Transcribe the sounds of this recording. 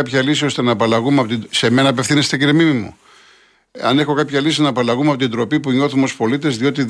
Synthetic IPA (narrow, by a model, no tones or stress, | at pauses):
pçɐlisio̞st̪e̞nɐːpɐlɐɣumeɐpot̪ise̞me̞nɐːpe̞fθinest̪eciɾemimimṵ | ɐ̰ne̞xo̞kɐpçɐlisinɐːpɐlɐɣumeɐpo̞t̪ind̪ɾo̞pipuɲo̞θumo̞spo̞lit̪e̞zðio̞t̪i